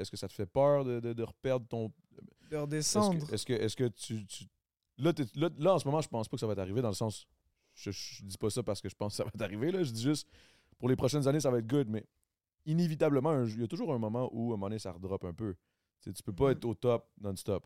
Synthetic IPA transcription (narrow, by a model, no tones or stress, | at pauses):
ɛskəsat̪ə̥fɛpœːʁd̪əd̪əd̪əʁəpɛʁd̪ʁt̪ɔ̃ | d̪əʁd̪esɑ̃sd̪ʁɛskəʔɛskʲət̪yt̪y̥ | lʌt̪ɛlʌlʌɑ̃səmɔmɑ̃ʒəpɑ̃spɔkəsavaɛt̪aʁived̪ɑ̃ləsɑ̃s | ʒəʒʒəd̪ipʌsʌpaʁsə̥kəʒə̥pɑ̃skə̥sa̰vaɛt̪aʁivelʌʒəd͡z̪iʒʏst̪ | pʊʁlepχɔʃɛnzanesavaɛt̪̚ɡʊd̪mɛ | inevit̪abləmɑ̃ɛ̃ʒjat̪uʒuːʁɛ̃mɔmɑ̃ʔuəmɑnesa̰ʁəd̪ʁɔpɛ̃pø | t͡set̪y̥pøpʌɛːt̪χot̪ɔp̚d̪ãnst̪ɔp